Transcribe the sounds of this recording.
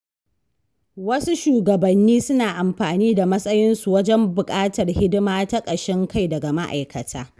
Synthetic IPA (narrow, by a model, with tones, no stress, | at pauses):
wɐ˦su˦ʃuː˨ɡɐ˨bɐ˨nːiː˦sʊ˦naː˨ʔa˨mɸaː˨niː˦da˨mɐ˦sʼɐ˦jɪ˦nsu˨wɐ˦d͡ʒɛ˦mbʊ˨kʼaː˦tɐ˨rhɪ˦dɪ˦maː˦ta˦kʼɐ˨ʃɛ˦ŋka˦˨jdɐ˨ɡa˨ma˦ʔa̰˨jkɐ˨tʰaː˦